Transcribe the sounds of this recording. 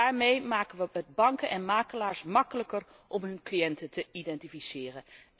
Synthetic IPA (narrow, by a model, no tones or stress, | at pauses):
aːɹmejmaːkənʋəəd̚bɑŋkənʔɛnmaːkəlaːɹsmɑkələkər | ʔɔmɦɵnklijɛntətʰəidɛntifisɪːrə